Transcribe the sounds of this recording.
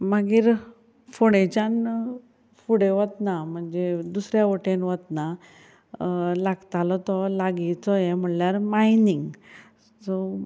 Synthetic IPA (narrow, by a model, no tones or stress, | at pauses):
maɡiːɾ | foɽ̃ẽt͡ɕan | fuɽeʋət̪nam̤əɳd͡zed̪usɾjaʋoʈenʋət̪na | laɡt̪alɔt̪ɔlaɡit͡sɔjem̤əɳljaɾmainiŋɡ | sɔ